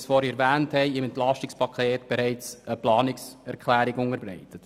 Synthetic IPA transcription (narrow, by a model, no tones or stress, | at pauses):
sfɔːɾiɛɾvæːnthɛɪɪmɛntlɑʃtɪkspʰɑkʰeːtb̥ɛɾɛɪt͡səplɑːnɪksɛɾkχlæːɾɪɡʊŋəɾbɾɛ̰ɪtət